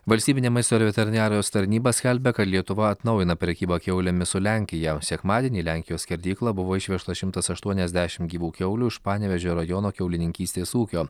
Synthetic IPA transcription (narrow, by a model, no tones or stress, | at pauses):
ʋɐlʲsʲt̪ʲiːbʲɪnʲemɐɪst̪oːɾʲʋʲɛt̪ʲɛɾʲɪnʲɑːɾʲɐjoːst̪ɐɾʲnʲiːbɐsʲkʲælʲbʲɛkɐt̪lʲiɛt̪ʊʋɐɐt̪nɐʊjɪnɐpʲɾʲɛkʲiːbɑkʲɛʊlʲɛmʲɪsʊlʲæˑŋʲkʲɪjɛsʲɛkmɑːd̪ʲiɛnʲiːlʲæˑŋʲkʲɪjoːsʲkʲɛɾʲd̪ʲiːklˠɐbʊʋoːɪʃʲʋʲɛʃt̪ɐʃʲɪmt̪ɐsɐʃt̪uɔnʲɛzʲd̪ʲæʃʲɪmɡʲiːʋuːkʲɛʊlʲuːɪʃpɑːnʲɛʋʲɛʒʲoːɾɐjɔnoːkʲɛʊlʲɪnʲɪŋʲkʲiːsʲt̪ʲeːsuːkʲoː